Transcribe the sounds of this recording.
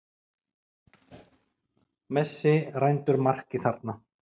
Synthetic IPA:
mɛsːɪrajnt̪ʏɾmar̥cɪθaɾt̪na

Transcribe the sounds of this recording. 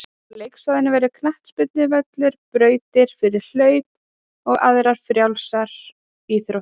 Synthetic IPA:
lejksaðɪnɪvɛɾʏkʰnaht̪spʏt̪nɪvœk̪lʏɾpɾœːɥt̪ɪɾ̥fɪɾɪɾ̥l̥œːɥt̪̚ | ɔɣa̰ðɾaɾ̥fɾjawlsaɾ | iθɾo

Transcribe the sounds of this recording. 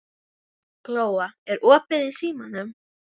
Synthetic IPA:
kloːwaɛɾɔːpɪðɪsiːmanʏm

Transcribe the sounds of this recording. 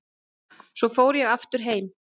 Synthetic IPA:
svɔfoːwɾjɛɣaft̪ʏɾ̥ɦeːjm

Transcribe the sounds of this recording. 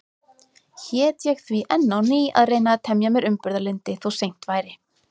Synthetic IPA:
çɛt̪ʰjɛkθviʔɛnːawniːa̰ðreːjnat̪ʰɛmjamɛɾʏmpʏɾðalent̪ɪθawsejn̥t̪vaːjɾɪ

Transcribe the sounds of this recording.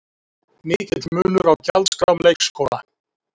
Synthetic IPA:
niːc̪ɪt̪mʏːlʏɾawcalt̪skɾawmleːjkskoːwla

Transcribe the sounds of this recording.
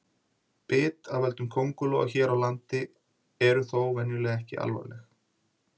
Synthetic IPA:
pɪːt̪aðvɛlt̪ʏmkʰowŋkʏlɔa̰çɛːɾawlant̪ɪ | ɛɾʏθowvɛnjʏlɛɣɛhcɪʔa̰lva̰lɛx

